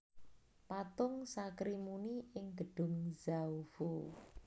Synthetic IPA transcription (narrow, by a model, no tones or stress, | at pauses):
pat̪ʊŋsakɾimuniɪŋɡ̥əɖ̥ʊ̤ŋzawv̥o